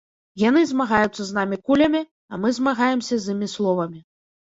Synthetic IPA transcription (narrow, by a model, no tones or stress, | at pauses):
janɨzmaɣajut̪sːɐznamʲikulʲɐmʲi | ɐmɨzmaɣajɛmsʲɐzʲɨmʲislˠɔvɐmʲi